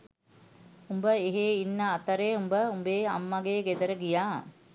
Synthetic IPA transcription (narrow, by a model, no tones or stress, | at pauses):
umbəeɦeːinːəːt̪əɾeumbəumbeːa̰mːɐɡeːɡed̪əɾəɡijaː